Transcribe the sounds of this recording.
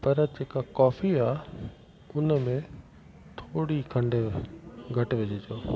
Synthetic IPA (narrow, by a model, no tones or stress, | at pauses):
pɐɾd͡ʑeːkakɔːfiaː | ʊnəmẽ | t̪ʰoːɽikʰɐ̃ɳɖ | ɡʱɐʈʋɪd͡ʑid͡ʑoː